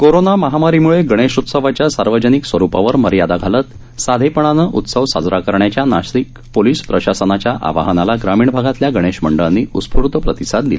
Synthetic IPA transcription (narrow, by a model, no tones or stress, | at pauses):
koɾonaməɦamaɾimuɭeɡəɽ̃eɕut̪səʋat͡ɕjasaɾʋəd͡ʑəniksʋəɾupa̰ʋəɾməɾjad̪aɡʱalət̪ | sad̪ʱepəɳ̃anəʔut̪səʋsa̰d͡zɾakəɾɳjat͡ɕjanaʂik | poliːspɾəɕasənat͡ɕjaʔa̰ʋa̰ɦənalaɡɾamiːɳbʱaɡat̪ljaɡəɽ̃eɕməɳɖəɭanːiːʔuspʰuɾt̪əpɾət̪isad̪̚d̪ila